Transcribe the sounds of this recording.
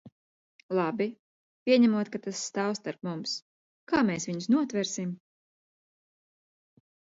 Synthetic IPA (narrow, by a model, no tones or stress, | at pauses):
lˠabi | pʲiɛɲæmuɔt̪̚kat̪asːt̪awst̪aɾp̚mums | kaːmɛːsvʲiɲsnuɔt̪vɛɾsim